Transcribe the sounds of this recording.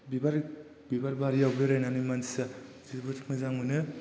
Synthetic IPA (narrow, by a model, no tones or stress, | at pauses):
bibaɾ | bibaɾbaɾijawbɾeɾajnanɯmansa | zibɯtʰkmɯzaŋmɯnɯ